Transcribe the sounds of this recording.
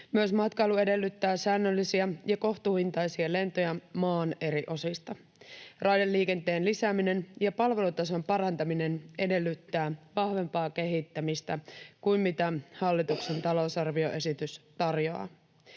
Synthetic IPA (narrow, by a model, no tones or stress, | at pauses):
myøsmɑt̪kɑjlue̞de̞lːyt̪ːæːsæːnːølːisiæjɑko̞ht̪uhint̪ɑjsiɑle̞nt̪o̞jɑmɑːne̞ɾiʔo̞sist̪ɑ | rɑjdelːiːke̞nt̪e̞ːnlisæːmine̞njɑpɑlʋe̞lut̪ɑs̬ompɑrɑnt̪ɑmine̞ne̞de̞lːyt̪ːæːʋɑhʋe̞mpɑːk̟e̞ɦit̪ːæmist̪ækuimmit̪æhɑlːit̪ukse̞nt̪ɑlo̞sɑrʋio̞ʔe̞sit̪yst̪ɑrjoɑ̰ː